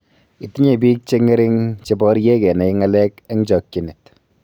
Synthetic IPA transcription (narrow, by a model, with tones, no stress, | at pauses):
i˨ti˦ɲe˨bi˦k̚t͡ʃe˦ŋe˦ɾɪ˦ŋt͡ʃe˧bɔ˦ɾje˦kɛ˨na˨i˦ŋa˦lɛ˦kɛ˦ŋt͡ʃɔ˨kːi˨nɪ˨t